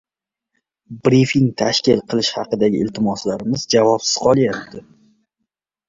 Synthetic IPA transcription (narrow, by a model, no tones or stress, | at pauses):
bɾifiŋt̪ʰaʃkʲɪlˠqʰɨlˠɪʃhɑqɨd̪aɡʲɪɪlt̪ʰɪmɒslaɾɪmɪzd͡ʒavɒpsɪ̥z̥qʰɒlˠjap̚t̪ʰɪ